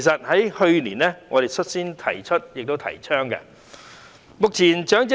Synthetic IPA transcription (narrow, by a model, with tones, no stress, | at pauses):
jsɐ˨t̚hɐ˨˥jhɵ˧ɥlḭː˨˩nlɛː˥ŋɔ̰ː˨˧ɾe˨jt͡ʃʰɵ˥t̚siː˥nt̪ʰɐ̰˨˩jt͡ʃʰɵ˥t̚jɪ˨k̚t̪wt̪ʰɐ̰˨˩jt͡ʃʰœː˥ŋkɛ̰˧ | mʊ˨k̚t͡sʰiː˨˩nt͡ʃœː˨˥ŋt͡s